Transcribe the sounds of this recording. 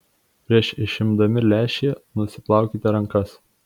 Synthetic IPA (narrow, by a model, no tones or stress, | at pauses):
pʲɾʲiɛʃɪʃʲɪmd̪ɐmʲɪlʲæːʃʲeːnʊsʲɪplˠɑˑʊkʲiːt̪ʲɪɾɐŋkɐs